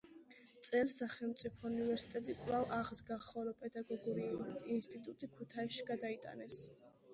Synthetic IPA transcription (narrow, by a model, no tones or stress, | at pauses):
t̪sʼɛlsaχɛlˠmt̪sʼipʰɔunivɛɾsi̥t̪ʼɛt̪ʼikʼlavaʁd̪ɡaχɔlɔpʼɛd̪aɡɔɡɔɾiuid̪inst̪ʼit̪ʼut̪ʼikʰut̪ʰaiʃiɡad̪ait̪ʼa̰nɛs